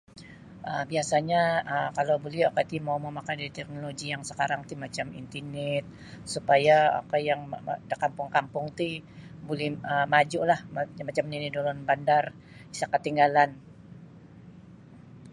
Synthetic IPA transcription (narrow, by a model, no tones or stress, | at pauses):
ʔəbiasaɲaəkalawbolɛhakat̪imawməmakandaɾit̪ɛk̚noloɡijaŋsə̥kaɾaŋt̪imat͡ʃamḭnt̪inɛt̪̚ | supajaa̰kajaŋdəkampʊŋkampʊŋt̪ibolɛhəmad͡ʒʊʔlahmmat͡ʃamninidolɔnbandar | isakət̪ːiŋɡalan